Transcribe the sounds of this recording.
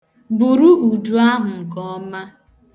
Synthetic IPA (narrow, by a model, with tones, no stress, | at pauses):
bu˨ɾu˦ʔu˨du˨a˦ɦʊ˨ŋ̩˨kɔ˦ma˦